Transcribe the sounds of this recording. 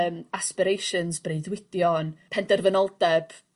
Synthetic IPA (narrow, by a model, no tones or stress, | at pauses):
maspɪɾejʃənzbreɨðwɪd̥jɔnpʰɛndərvənɔlˠdɛb̥